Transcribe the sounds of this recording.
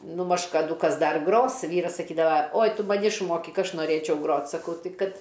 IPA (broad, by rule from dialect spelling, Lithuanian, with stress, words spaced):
ˈnʊ mɐʃ kɐˈduː ˈkɐs ˈdɐr ˈɡroːs ˈʋʲiːrɐs sɐˈkʲiːdɐʋɐ oːj ˈtʊ mɐˈnʲɪ ɪʃˈmoːkʲɪk ˈɐʃ noːˈrʲeːt͡ʃʲɛʊ ˈɡroːt sɐˈkɐʊ ˈtɐɪ ˈkɐt